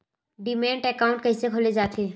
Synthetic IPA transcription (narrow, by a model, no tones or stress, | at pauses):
ɖɪmẽːɳʈɛkaːʊ̃ɳʈ̚kɛɦɪsekʰoːled͡ʒaːt̪eː